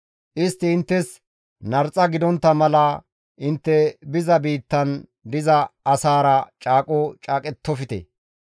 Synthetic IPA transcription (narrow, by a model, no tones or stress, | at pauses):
ʔɪst̪ːɪːnt̪ːɛs | nɐɾt͡sʼːɐɡɪd̪ɔnt̪ːɐmɐlɐ | ʔɪnt̪ːɛbɪzɐbiːt̪ːɐnd̪ɪzɐːsaːɾɐt͡ʃʼaːkʼɔt͡ʃʼaːkʼɛt̪ːɔfɪt̪ɛ̰